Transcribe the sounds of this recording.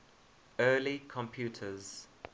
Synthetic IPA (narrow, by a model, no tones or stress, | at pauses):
ɜːlikʰɔ̃mpʰjuːˑtʰəz̥